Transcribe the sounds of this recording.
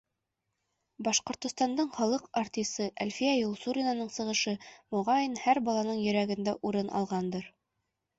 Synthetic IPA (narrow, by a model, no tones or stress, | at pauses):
bɑʃqŏɾt̪ŏst̪ɑnd̪ɤɴχɑlˠɤqɑrt̪ʲisɤʔælʲfijæjulˠsuɾʲinanɤɴsɤ̆ʁɤ̆ʃɤmŏʁɑjinhæɾbɑlˠɑnɤɴjɵ̆ɾæɡɘ̆nd̪æʔuɾɤnʔɑ̰lˠʁɑnd̪ɤɾ